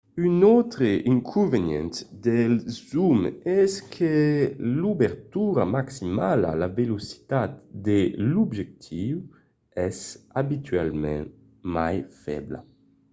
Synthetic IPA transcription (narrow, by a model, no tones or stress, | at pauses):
ynɔwt̪ɾeʔiŋkʰuvenjɛ̰nt̪d̪elzumɛskʰelubeɾt̪uɾamaksimala̰lavelusi̥t̪at̪d̪elubʒek̚t̪ʰiw | ɛsabit̪ʰɥalmɛ̰̃ŋ | majfɛ̰bla̰